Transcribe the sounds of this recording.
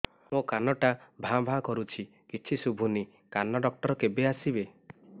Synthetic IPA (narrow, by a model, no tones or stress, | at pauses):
mõkanɔʈabʱãbʱãkɔɾut͡ʃʰi | kit͡ʃʰisubʱuni | kanɔɖɔk̚ʈɔɾɔkebeasibe